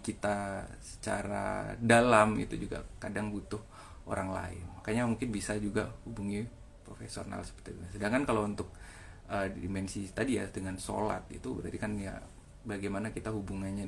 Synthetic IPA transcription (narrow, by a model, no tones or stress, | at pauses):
kit̪asə̥t͡ʃa̰ɾa̰dalamḭt̪ud͡ʒuɡa̰kadaŋbut̪ʊh | ʔo̰ɾaŋla̰ɪnmakaɲamuŋkɪnbisad͡ʒuɡahubuŋi | pɾofesiona̰lsə̥pərt̪iduŋasədaŋkankalaunt̪ʊk̚ | əimɛnsist̪adijadəŋanso̰la̰t̪̚ḭt̪ubəɾa̰ɾikanja̰ | baɡajmanakit̪aɦubuŋanɲa